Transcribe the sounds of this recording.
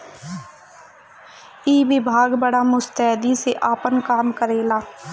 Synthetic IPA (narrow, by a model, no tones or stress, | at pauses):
iːʋɪbʱaːɡbəɽamʊst̪ɛːd̪iseʔaːpənkaːmkəɾeːlaː